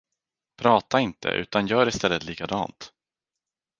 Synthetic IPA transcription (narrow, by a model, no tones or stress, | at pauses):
pʰɾɑːt̪aɪnt̪ʰə̰ʔʉ̟ːt̪anjœːɾɪst̪ɛlːət̪liːkad̪ɑ̰ːnt̪